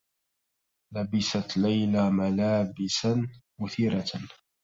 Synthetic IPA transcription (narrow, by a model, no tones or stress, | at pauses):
labɪsat̪lajlamalaːbɪsanmʊθiːɾa